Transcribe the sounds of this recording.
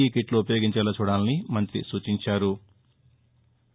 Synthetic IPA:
ikiʈloupɐjo̞ːɡiɲt͡ʃɐlɐt͡ʃuːɽaːnnimɐnt̪ɾḭsuːt͡ʃiɲt͡ʃaːɾu

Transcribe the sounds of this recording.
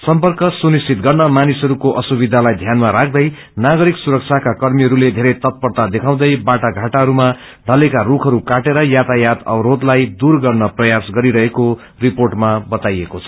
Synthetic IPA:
sʌmpʌrkʌsunistʰit̪̚ɡʌrnʌmanisɦʌɾukoʔʌsubid̪ʱalajd̪ʱjanmaɾak̚ʰd̪ʌj | naɡʌɾiksuɾʌk̚t͡sʰakakʌrmiɦʌɾuled̪ʱeɾʌjt̪ʌt̪̚pʌrt̪ad̪ekʰaw̃d̪ʌjbaʈaɡʱaʈaɦʌɾuma | ɖʱʌlekarukʰʌɾukaʈeɾʌjat̪ajat̪ʌ̰bɾod̪lajd̪urɡʌrnʌprʌjasɡʌɾiɾʌɦeko | riporʈmabʌt̪ajekot͡sʰʌ̥

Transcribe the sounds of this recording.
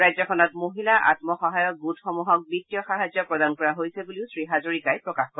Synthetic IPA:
ɹajzɔkʰɔnɔtmoɦilaʔa̰tmɔxɔɦajɔk̚ɡutxɔmuɦɔk̚bitːijɔxaɦazjɔpɹɔdankɔɹaɦojsebuliʊsɹiɦazoɹikajpɹɔkaxkɔ

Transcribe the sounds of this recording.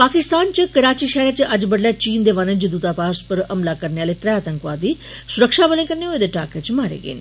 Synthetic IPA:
paːkɪst̪aːnt͡ʃəkəɾaːt͡ʃiːʃɛɦɾaːt͡ʃəd͡ʒbəɽljaːt͡ʃiːnd̪eːʋaːnəd͡ʒd̪uːt̪aːpaːspəɾəmlaːkəɾneaːleːt̪ɾɛaːt̪ə̃ŋkʋaːd̪iː | sʊɾəkʃaːbəlẽːkəɾneːɦoeːd̪eːʈaːket͡ʃmaːɾḛːɡḛːn

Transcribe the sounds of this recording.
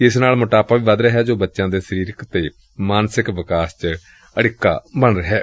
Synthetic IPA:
ɪsnaːlmʊʈaːpaːʋiːʋad̪ɾəɦɛːd͡ʒoːbətːʃãːd̪eːsəɾiːɾɪkt̪eː | maːnsɪkʋɪkaːst͡ʃ | əɽɪkːa̰ːbəɳɾəɦɛː

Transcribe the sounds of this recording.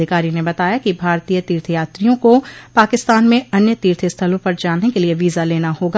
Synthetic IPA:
ɪkaːɾinebɐt̪aːjakibʱaːɾt̪iːjət̪iːɾt̪ʰjaːt̪ɾijõkopaːkɪst̪aːnmẽɐnjət̪iːɾt̪ʰəst̪ʰəlõpɐɾd͡ʒaːnːekelieʋiːzaleːnahoːɡa

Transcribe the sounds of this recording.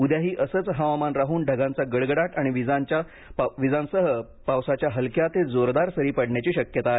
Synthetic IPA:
ud̪jaɦiːʔəsət͡sɦaʋamanɾaɦuːnɖʱəɡãnt͡saɡəɽɡəɽaʈaɽ̃iʋid͡zaɲt͡ɕa | ʋid͡zansəɦə | pawsat͡ɕjaɦəlkjat̪ed͡zoɾd̪aɾsəɾiːpəɽɳjat͡ɕiːɕəkjət̪a

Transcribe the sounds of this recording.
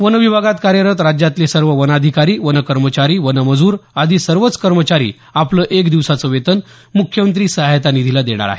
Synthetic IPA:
ʋənəʋibʱaɡat̪kaɾjəɾət̪ɾad͡ʑjat̪lesəɾʋəʋənad̪ʱikaɾiːʋənəkəɾmət͡ɕaɾiːʋənəməd͡zuːɾad̪ʱiːsəɾʋət͡skəɾmət͡ɕaɾḭː | apləːʔekd̪iʋsat͡səʋet̪ən | mukʰjəmənt̪̬ɾiːsəɦajt̪anid̪ʱilad̪eɽ̃a̰ɾa̰ɦe

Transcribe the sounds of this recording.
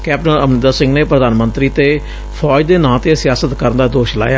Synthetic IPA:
kɛːp̚ʈənə̰mnɪd̪aːsɪ̃ŋɡneːpɾəd̪aːnmənt̪ɾiːt̪eː | pʰɔːd͡ʒd̪eːnãːt̪eːsɪjaːsət̪kəɾnd̪aːd̪oːʃla̰ːjaː

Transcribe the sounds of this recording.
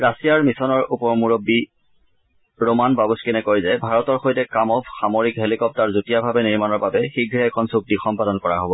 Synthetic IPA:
ɹasijaɹmisɔnɔɹupɔɹmuɹobːi | ɹomanbabuskɛnɛkojzɛbʱaɹɔtɔɹxojtɛkamɔbxamoɹikɦelikɔp̚taɹzutijabʱabɛniɹmanɔɹbabɛxiɡʱɹɛɛkʰɔnsuk̚tixɔmpadɔnkɔɹa̰ɦobɔ

